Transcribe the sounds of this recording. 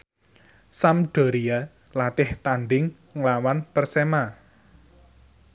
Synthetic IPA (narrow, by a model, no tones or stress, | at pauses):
samɖ̥o̤ɾia | lat̪ɪht̪anɖɪŋ | lawanpərsɛma